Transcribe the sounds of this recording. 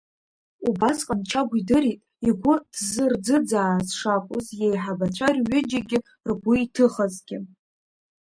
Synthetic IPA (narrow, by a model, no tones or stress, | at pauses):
ubasqʼant͡ʃʰaɡʷidɨɾitʼ | iɡʷʊd̥zɨrd͡zɨd͡zaːzʂakʷʼʊzjejħabat͡ɕʷʰarɥʏd͡ʒaɡʲɪ | rɡʷʊitʰɨχazɡʲɪ